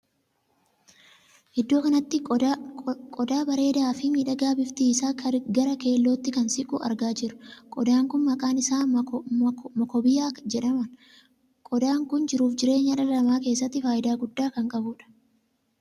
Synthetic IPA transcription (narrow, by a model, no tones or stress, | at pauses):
ʔɛd̪ːo̞ːkɐnɐt̪ːɪ | kʼɔd̪aːbɐɾe̞ːd̪aːfɪmiːᶑɐɡaːbɪft̪iːsaːɡɐɾɐke̞ːlːoːt̪ːɪkɐnsɪkʼuːʔɐ̰ɾɡaːd͡ʒɪɾʊ̥kʼɔd̪aːŋkʊnmɐkʼaːnɪsaː | mɐkɔbɪjaːd͡ʒɛᶑɐmɐn | kʼɔd̪aːŋkʊnd͡ʒɪɾuːfd͡ʒɪɾe̞ːɲːɐᶑɐlɐmaːke̞ːsːɐt̪ːɪfaːjɪd̪aːɡʊd̪ːaːkɐŋkʼɐbʊːᶑɐ̥